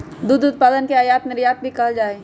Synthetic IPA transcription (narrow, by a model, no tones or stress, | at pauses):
d̪ud̪ʊt̪̚paːd̪ənkeaːjaːt̪nɪɾjaːt̪̚bʱikɐɦld͡ʒaːe